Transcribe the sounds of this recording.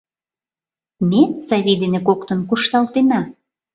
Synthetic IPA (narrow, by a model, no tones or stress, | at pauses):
mʲesɑβʲid̪enekokt̪ə̆nkuʃt̪ɑlt̪enɑ